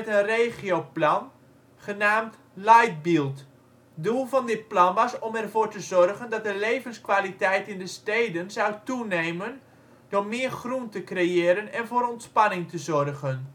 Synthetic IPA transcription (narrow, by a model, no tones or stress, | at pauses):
ɛtənrejχiowplɑn | χənaːmt | lajt̚bilˠt | dulˠvɑndɪt̚plɑnʋɑsɔmɛrvoːɹtəzɔrɣəndɑt̚dəlejvənskʋalitɛjtɪndəstejdənzawtunejmən | d̥ʊrmɪːərχruntəkrejɪːɾənɛnvoːɾɔntspɑnɪŋtəzɔrɣən